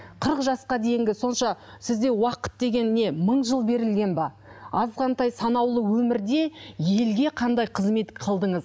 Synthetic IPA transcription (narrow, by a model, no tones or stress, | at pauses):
qʰəɾəqʒɑsqɑd̪e̞jɪŋɡʲɪso̞nʃɑsɪzd̪e̞wɑqə̥t̪̚d̪e̞ɡʲe̞nːe̞məɴʒəlˠbe̞ɾɪlɡʲe̞nbɑ | ɑzʁɑnt̪ɑjsɑnɑwlˠəwɵmɪɾd̪e̞je̞lɡʲe̞qʰɑnd̪ɑjqʰəzme̞t̪qʰɑlˠd̪əɴəz